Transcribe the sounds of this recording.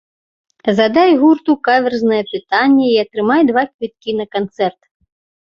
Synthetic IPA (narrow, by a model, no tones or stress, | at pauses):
zad̪ajɣurt̪ukavʲɛrznɐjɛpɨt̪anʲːɛiɐt̪ɾɨmajd̪vakvʲit̪̚kʲinɐkant̪sɛrt̪